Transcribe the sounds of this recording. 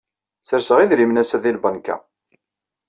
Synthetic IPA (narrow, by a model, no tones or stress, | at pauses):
θəɾsəʁiðɾimnæsæðilbənkæ̰